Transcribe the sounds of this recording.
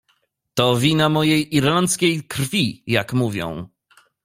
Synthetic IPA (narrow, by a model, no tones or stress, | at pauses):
t̪ɔvʲinamɔjejʔiɾlant̪skʲejkɾfʲijakmuvʲjɔ̰̃w̃